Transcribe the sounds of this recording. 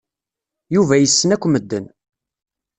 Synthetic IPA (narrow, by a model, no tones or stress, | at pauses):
juvæjəsːənækʷːməd̪ːən